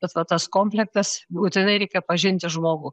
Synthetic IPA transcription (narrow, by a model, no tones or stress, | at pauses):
bʲɛt̪ʋɐt̪ɐskoːmʲpʲlʲɛk̚t̪ɐsbuːt̪ʲɛnɐɪɾʲɛɪkʲɛpɐʒʲɪnʲt̪ʲɪʒmoːɡuː